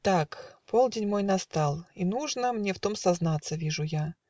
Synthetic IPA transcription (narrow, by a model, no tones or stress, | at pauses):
t̪akpolˠdʲenʲmo̞jnɐst̪alˠinuʐnəmnʲeft̪o̞msɐznat̪sːəvʲiʐʊja